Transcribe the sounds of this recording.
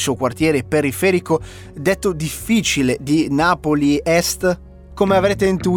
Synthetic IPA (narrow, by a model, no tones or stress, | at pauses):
suokwart̪jɛːɾepeɾifɛːɾiko | d̪et̪ːod̪ifːit͡ʃiled̪inaːpoliɛst̪ | komeavɾeːt̪̬eint̪u